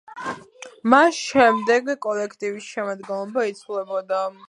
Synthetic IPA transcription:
masʃɛmd̪ɛɡkʼɔlɛkʰt̪ʼivisʃɛmad̪ɡɛnlˠɔbait̪sʰwlɛbɔd̪a

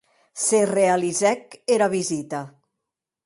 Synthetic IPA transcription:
serealizɛkeɾaβizit̪a

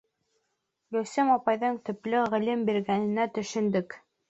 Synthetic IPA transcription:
jɵwsemɑpɑjðɤɴt̪ɵ̆plɘʁɘ̆lɘmbiɾɡænɘ̆næt̪ɵ̆ʃɵ̆nd̪ɵk

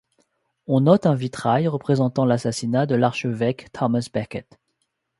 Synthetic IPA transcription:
ɔ̃nɔt̪ɛ̃vit̪χajʁəpχezɑ̃t̪ɑ̃lasasinad̪əlaʁʃəvɛkt̪ʰɔmasbɛʁkʲɛt̪

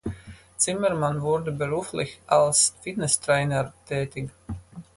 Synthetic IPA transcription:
t͡simɛɾmanvʊɾd̪əbɛɾuːflɪçalsfit̪nɛst̪ɾɛːnəɾt̪ɛːt̪ɪɡ

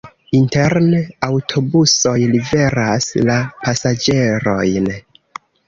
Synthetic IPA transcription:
inteɾneawtʰo̞buso̞jlive̞ɾaslapasad͡ʒe̞ɾo̞jn

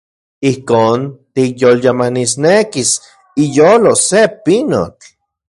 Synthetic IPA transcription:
ihkoːnt̪ikjoljamanis̬nekis | ijoːlosepino̰t͡ɬ

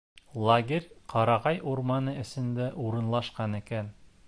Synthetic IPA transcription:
lˠaɡʲerʲqʰɑɾɑʁɑjuɾmɑnɤɘ̆sɘ̆nd̪æʔuɾɤ̆nlˠɑʃqɑnɘ̆kæn

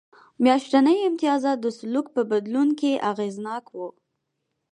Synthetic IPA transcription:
mjɑʃʈanəjɪmt̪ijɑzad̪əsʊluk̚pəbad̪lunkeʔaɣeznɑkwu

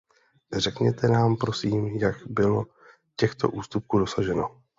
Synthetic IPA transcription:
r̝ɛkɲɛt̪ʰɛnaːmpɾo̞siːmjakbɪlo̞ | cɛxt̪o̞̰ʔuːst̪up̚kuːdo̞saʒɛno̞

